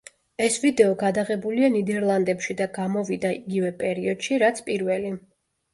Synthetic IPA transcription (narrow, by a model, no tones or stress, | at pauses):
ɛsvid̪ɛɔɡad̪aʁɛbulianid̪ɛɾlˠand̪ɛpʃid̪aɡamɔvid̪aʔiɡivɛpʼɛɾiɔd̪̥ʃiɾat̪sʰpʼiɾvɛli